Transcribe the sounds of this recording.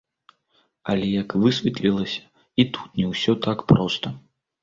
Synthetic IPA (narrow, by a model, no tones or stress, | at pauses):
ɐ̰lʲɛjɐkvɨsʲvʲɛt̪lʲilˠɐsʲɐ̥ | it̪ʰu̥t̪nʲɛwsʲɔt̪akpɾɔst̪ɐ